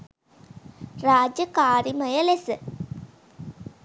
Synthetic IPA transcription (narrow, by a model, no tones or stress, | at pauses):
raːd͡ʒjəkaːɾiməjəlesə